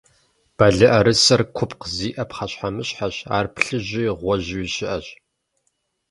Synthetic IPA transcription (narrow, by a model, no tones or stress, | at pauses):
b̥ɐɮɨʔɐɾɨsɐrkʷʰʊpqziːʔɐpχɐɕħamɨɕħaɕa̰ːrpɬɨʑiːʁʷɔʑwɪɕɪʔɐɕʼ